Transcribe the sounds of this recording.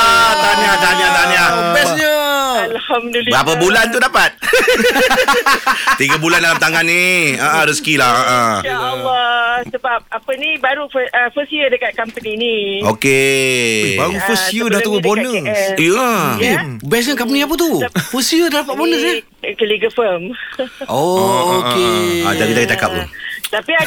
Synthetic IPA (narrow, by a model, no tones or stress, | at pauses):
ət̪anat̪anat̪anabɛsɲəalhamdbɾapəbulant̪udapat̪̚ | t̪iɡəbulandalamt̪aŋanːiəʔə̃ɾiskilahəʔəlːɔsəbap̚apənibaɾufəəfəsjədəkat̪̚kampəninioke | baɾufəsjədaht̪uɡubonəsjaebɛs̬əkamp̬əniap̬ət̪ufəsijədadapat̪̚bonəs̬a | kəliɡəfəmookeadaɡit̪aɡit̪aka̰p̚lṵt̪api